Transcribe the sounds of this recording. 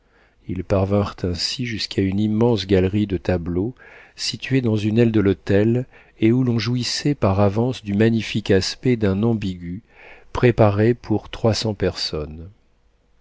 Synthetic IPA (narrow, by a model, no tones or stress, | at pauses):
ilpaʁvɛ̃ʁt̪ʰɛ̃siʒyskʰaynimːɑ̃sɡʲalʁid̪ət̪ablosit̪ɥed̪ɑ̃zynɛld̪əlot̪ɛl | eulɔ̃ʒuisɛpaʁavɑ̃sd̪ymaɲifikaspɛd̪ɛ̃nɑ̃biɡʲy | pχepaʁepʰuʁt̪χwasɑ̃pɛʁsɔn